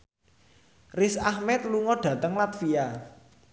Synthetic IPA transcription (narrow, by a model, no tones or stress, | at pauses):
rɪsahmɛt̪̚luŋɔɖ̥ä̤t̪əŋlat̪fia